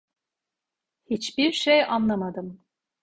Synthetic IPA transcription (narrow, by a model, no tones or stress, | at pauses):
hit͡ʃbiɾʃejanlˠamad̪ɯm